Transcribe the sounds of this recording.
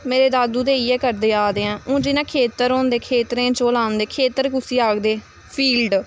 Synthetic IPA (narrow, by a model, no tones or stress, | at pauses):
meːɾeːd̪aːd̪uːd̪eːiːɛːkəɾd̪eːaːd̪eːɛ̃ːũːd͡ʒɪnãːkʰeːt̪əɾõːnd̪eːkʰeːt̪ɾẽːt͡ʃoːlaːnd̪eːkʰeːt̪əɾkʊsiːaːɡd̪eː | pʰiːlɖ